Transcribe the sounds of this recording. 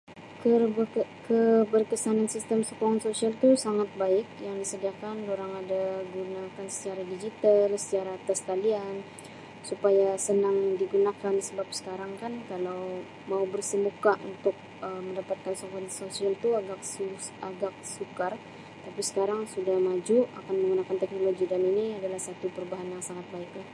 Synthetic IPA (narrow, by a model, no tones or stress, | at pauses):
kəkəbərkəsanansist̪əmsokɔŋansosialt̪usaŋat̪̚baɪk̚jaŋdisədiakandoɾaŋadaɡunakansə̥t͡ʃaɾadid͡ʒit̪alsə̥tt͡ʃaɾaːt̪ask̪alian | supajasənaŋdiɡunakansəbap̚sə̥kaɾaŋkankalaw | maubərsəmukaʔṵnt̪ʊk̚ | əməndapat̪̚kansɔŋkɔnt̪sosialt̪uaɡak | aɡak̚sukar | t̪apisə̥kaɾaŋsudahmad͡ʒua̰kanməŋɡunakant̪ɛk̚noloɡidaniniadalahsat̪upəɾubaɦanjaŋsaŋat̪̚baɪk̚ɲa